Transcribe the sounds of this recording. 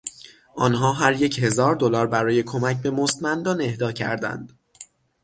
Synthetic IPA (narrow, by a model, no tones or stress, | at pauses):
ʔɒːnɦɒːɦæɾje̞che̞zɒːɾd̪olɒːɾbæɾɒːje̞kʰo̞mæcʰbe̞most̪mænd̪ɒːne̞hd̪ɒːcʰæ̰ɾd̪æ̰nd̪̥